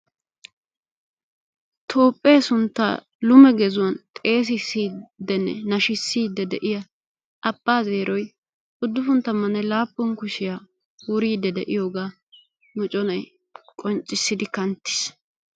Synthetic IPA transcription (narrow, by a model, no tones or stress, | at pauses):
t̪ʰo̞ːpʼːe̞ːsʊnt̪ːa̰ː | lʊmɛɡɛzʊwɐnt̪ʼe̞ːs̬ɪsiːd̪ːɛnːɛ̰nɐʃɪsːiːd̪ːɛd̪ɛʔɪjɐ | ʔɐpːaːze̞ːɾʔɔj | ʔʊd̪ːʊfʊnt̪ːɐmɐnɛlaːpʼːɔŋkʊʃɪjaː | wʊɾiːd̪ːɛd̪ɛ̰ʔɪjoːɡaː | mɔt͡ʃʼɔnɐj | kʼɔnt͡ʃʼːɪsːɪd̪ɪkɐnt̪ːɪ̥s